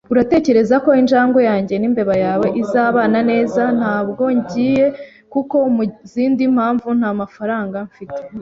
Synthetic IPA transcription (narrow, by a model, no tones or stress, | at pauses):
uɾate̞ːce̞ɾe̞zako̞inʒaːŋɡo̞jaːɲɟe̞nimbe̞βajaːweʔizaːβaːnane̞ːzan̥haːbɡo̞ɲɟiːje̞ | kuko̞muziːndim̥haːɱvun̥haːmafaɾaːŋɡaɱfite̥